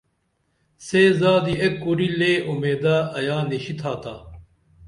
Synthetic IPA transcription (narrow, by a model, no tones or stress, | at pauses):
seːzaːd̪iekːuɾileːumeːd̪aːɐjaːniɕit̪ʰaːt̪ʰaː